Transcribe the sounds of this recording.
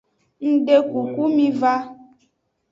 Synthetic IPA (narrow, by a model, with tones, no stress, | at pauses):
n̩˨ɖe˦ku˨ku˦mĩ˦va˦